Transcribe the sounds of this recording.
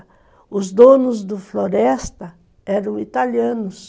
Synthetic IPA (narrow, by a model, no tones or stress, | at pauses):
ʊzd̪õnʊzd̪ʊfloɾɛst̪ɐ | ɛɾɐ̃w̃it̪aliɐ̃nʊs